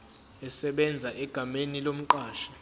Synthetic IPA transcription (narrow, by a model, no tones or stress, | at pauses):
ɛsɛɓɛnd͡zʱaʔɛɡ̥ʱamenilom̩ǃaːʃḁ